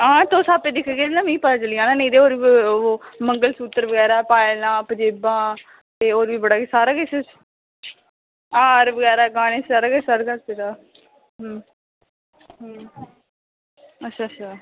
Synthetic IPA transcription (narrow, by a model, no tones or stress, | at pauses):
ɦãːt̪oːsaːpeːd̪ɪkʰɡeːnãːmĩːpət̪aːt͡ʃəlɪjãːnaːnẽːd̪eːoːɾi | məŋɡəlsuːt̪ːəɾʋəɡɛːɾaːpaːjɪlãːpəd͡ʒeːbãː | t̪eːoːɾʋiːbəɽaːksaːɾaːkɪset͡ʃ | aːɾʋəɡɛːɾaːɡãːnẽːsaːɾaːkɪt͡ʃsaɾkəɾt̪eɾaː | ɦəm | ɦ | ətːʃʰaːətʃʰaː